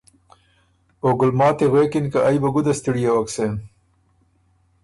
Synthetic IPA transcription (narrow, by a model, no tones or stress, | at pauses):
oɡʊlmɑːt̪eɣweːkɪnkaʔajbɐɡʊd̪ast̪iɽijawɐksem